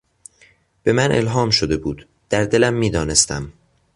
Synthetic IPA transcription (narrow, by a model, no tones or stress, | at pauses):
b̥e̞mænʔelɦɒːmʃod̪e̞buːd̪ | d̪̥æɾd̪e̞læmːiːd̪ɒːne̞st̪æm